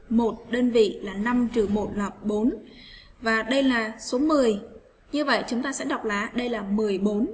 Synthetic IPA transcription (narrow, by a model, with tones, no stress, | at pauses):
mo˨˩t̚ɗəː˧nvḭ˧˨laː˨˩na˧mt͡ɕɨ˨˩mo˨˩t̚laː˨˩ɓo˨˦n | vaː˨˩ɗə˧jlaː˨˩so˨˦mɨ˨˩əj | ɲɨ˧və̰˧˨jt͡ɕʊ˨˦ŋ͡mt̪aː˧sɛ̰˧˥ɗa˨˩wk͡p̚laː˨˦ɗə˧jlaː˨˩mɨ˨˩əjɓo˨˦n